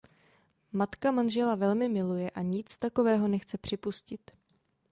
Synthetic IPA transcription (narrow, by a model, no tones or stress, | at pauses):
mat̪kamanʒɛlavɛlmɪmɪlujɛʔaɲɪt͡st̪ako̞vɛːɦo̞nɛxt͡sɛpr̝̥ɪpuscɪt̪